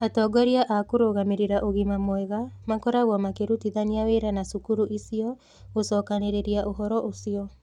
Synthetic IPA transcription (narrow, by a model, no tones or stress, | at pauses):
atɔːɡɔɾiaʔakoɾoːɣameɾeɾaʔoɣimamwɛɣamakɔɾaɣwɔmakeɾutiðaniaweːɾanasukuɾuʔisiɔ | ɣosɔːkaneɾeɾiaʔoɦɔɾɔʔosiɔ